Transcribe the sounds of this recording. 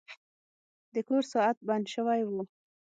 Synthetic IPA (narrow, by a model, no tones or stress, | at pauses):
d̪əkoɾsɑat̪̚band̪ʃəwajwu